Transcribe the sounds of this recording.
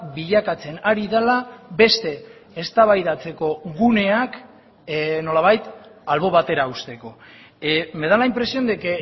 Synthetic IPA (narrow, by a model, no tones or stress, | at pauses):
biʎakat͡se̞naɾiðalabe̞st̪e̞ː | st̪aβajðat͡se̞ko̞ɣune̞ak | no̞laβ̞ajt̪alβo̞β̞at̪e̞ɾaust̪e̞ko̞ | me̞ðalaimpɾe̞sio̞nd̪eke